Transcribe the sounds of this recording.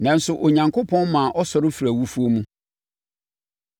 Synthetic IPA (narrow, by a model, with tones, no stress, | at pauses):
nã˨n̩˦sʊ˨ʔo˨ɲã˨ŋkʰo˦pʰɔ̃˦nmã˨ʔɔ˦sɔ˨ɾɪ˦fi˨ɾæ˨wu˦fu˦o˦mũ˦